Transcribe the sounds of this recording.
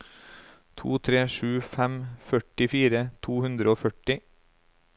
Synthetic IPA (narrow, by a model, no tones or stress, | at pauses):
t̪ʰṵːt̪ʰɾeːʃʉːfæmfœʈɪfiːɾət̪ʰuːhʉnd̪ɾəoːfœʈɪ